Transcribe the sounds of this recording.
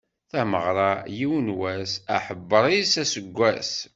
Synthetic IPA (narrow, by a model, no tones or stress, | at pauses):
θæməʁɾˤɑjiwənwæsæ̰ħəbːəɾˤisæsəɡʷːæs